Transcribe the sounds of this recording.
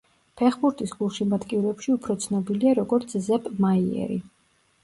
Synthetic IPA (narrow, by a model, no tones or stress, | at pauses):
pʰɛχbuɾt̪ʼisɡulˠʃimat̪ʼkʼivɾɛpʃiupʰɾɔt̪sʰnɔbiliaɾɔɡɔɾt̪sʰzɛbmaiɛ̰ɾḭ